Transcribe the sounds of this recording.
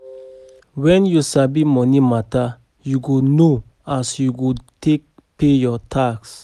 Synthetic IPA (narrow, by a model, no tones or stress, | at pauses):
wɛ̃njusabimɔnimata | juɡuno | asjuɡutʰek̚ | pejɔtʰaks